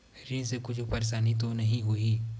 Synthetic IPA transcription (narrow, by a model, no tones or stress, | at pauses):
ɾĩnsekʊt͡ʃʰʊpɐɾeʃaːnit̪̬onɐɦĩɦʊiː